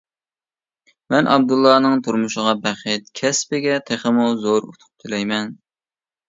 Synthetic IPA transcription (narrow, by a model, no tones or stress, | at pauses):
mɛnʔɑ̰b̚d̪ulˠːɑnɨŋt̪ʰuɾmuʃəʁɑbæχɪt̪kʲʰɛspɪɡʲɛt̪ʰeχəmuzoɾṵt̪ʰʊ̥p̚t̪ʰulɛjmɛn